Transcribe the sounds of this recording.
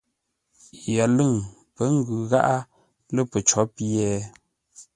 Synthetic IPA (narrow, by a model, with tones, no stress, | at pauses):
ja˨lɨ˦˨ŋ | pə˦ŋ̩˦ɡʉ˨ɣa̰˦ʔa˦ | lə˦˨pə˨t͡ʃɔ˨˦pɛː˨˦